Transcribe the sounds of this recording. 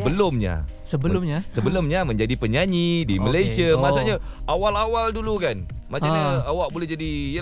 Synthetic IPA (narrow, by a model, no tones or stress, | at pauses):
əbəlʊmɲa̰ | səbəlʊmɲasəbəlʊmɲamə̃ɲd͡ʒadipəɲaɲidiməlejsiəmasaɲa | ʔawalawaldulukan | mat͡ʃaɲaawaʔ̚bolɛhd͡ʒadijə